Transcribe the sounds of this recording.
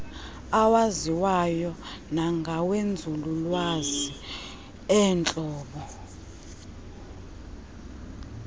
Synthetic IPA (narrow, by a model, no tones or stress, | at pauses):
awaziwajɔnaŋɡʱawend͡zʱululwazi | ɛːnt͡ɬʼɔːɓɔ